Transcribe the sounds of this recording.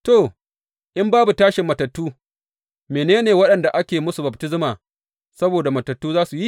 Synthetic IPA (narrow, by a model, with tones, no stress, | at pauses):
to˨ | ʔɪ˦mbaː˦bu˨taː˦ʃɪ˨mːɐ˨tɐ˨tːuː˦ | meː˨neː˦neː˨wɐ˦ɗɐ˨nda˨ʔa˦kʲeː˨mʊ˦su˨bɐ˨btɪ˦zmaː˨ | sɐ˦boː˨da˨mɐ˨tɐ˨tːuː˦zaː˦su˨ji˦